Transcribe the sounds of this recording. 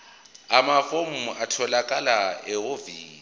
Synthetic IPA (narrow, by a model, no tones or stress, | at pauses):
amafom̩atʰɔlakʼalaɛoviː